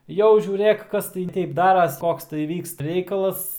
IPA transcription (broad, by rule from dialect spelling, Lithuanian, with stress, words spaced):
ˈjɛʊ ʒʲuːˈrʲeːk ˈkɐs tɐɪ ˈtʲɛɪp ˈdɑːrɐs ˈkoːks tɐɪ ˈʋʲiːkst ˈrʲɛɪkɐlˠɐs